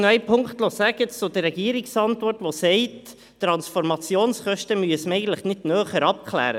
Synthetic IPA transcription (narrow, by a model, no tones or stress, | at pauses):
noɛɪpʰʊŋkχtlɔsæɡət͡st͡sʊdəːɛɡiːɾɪksɑntʋɔrtʋosɛɪt | tːɾɑnsfɔɾmɑt͡sjoːnsχœʃtəmyəsməɛɪɡən̩tləχnɪdnœːχəɾɑp̚kʰlæ̰ːɾə